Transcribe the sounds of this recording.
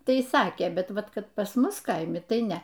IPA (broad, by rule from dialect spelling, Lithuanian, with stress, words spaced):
ˈtɐɪ ˈsɑːkʲeː ˈbʲɛt ˈʋɐt ˈkɐt pɐs ˈmʊs ˈkɐɪmʲɪ ˈtɐɪ ˈnʲɛ